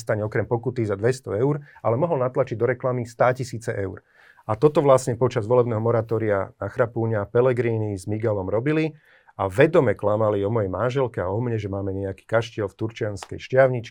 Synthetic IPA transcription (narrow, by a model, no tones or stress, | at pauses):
st̪aɲɛɔkɾɛmpɔkut̪izad̪ʋɛst̪ɔɛʊɾalɛmɔɦɔlnat̪lat͡ʃiɟd̪ɔɾɛklamist̪aːcisiːt͡sɛʔɛʊɾ | at̪ɔt̪ɔʋlasɲɛpɔt͡ʃazʋɔlɛbnɛːɦɔmɔɾat̪ɔːɾianaxɾapuːɲapɛlɛɡɾiːnizmiɡɛlɔmɾɔbili | aʋɛd̪ɔmɛklamaliɔmɔjɛjmanʒɛlkɛaɔmɲɛʒɛmaːmɛɲɛaki̥ːkaʃcɪɛlft̪uɾt͡ʃɪanskɛ̰jʃcɪaʊɲit͡ʃk